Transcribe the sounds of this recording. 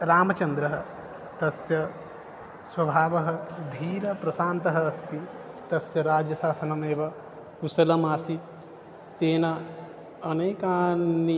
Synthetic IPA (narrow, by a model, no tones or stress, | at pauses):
ɾaːmɐt͡ʃɐnd̪ɾɐɦɐ | t̪ɐsjɐ | swɐbʱaːʋɐɦɐ̆d̪ʱiːɾɐpɾɐsaːnt̪ɐɦɐːst̪i | t̪ɐsjɐɾaːd͡ʒjɐsaːsɐnɐmeːʋɐ | kusɐlɐmaːsit̪ː | eːnɐ | ɐneːkaːnːi